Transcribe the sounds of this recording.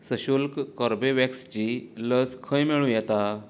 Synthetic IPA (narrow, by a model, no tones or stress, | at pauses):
səɕulkkɔɾbeʋɛkst͡ɕiːləskʰəjmeɭũjɛt̪a